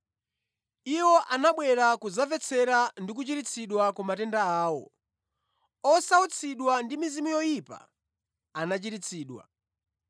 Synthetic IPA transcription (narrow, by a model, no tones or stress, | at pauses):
iwɔʔanaɓwɛɾakuzavɛt͡sʰɛɾandik̬ut͡ʃiɾit͡sʰiɗwakumatɛndaaːwɔ̰ | ɔsaut͡sʰiɗwandimizimujɔjipa̰ | anat͡ʃiɾit͡sʰiːɗwa̰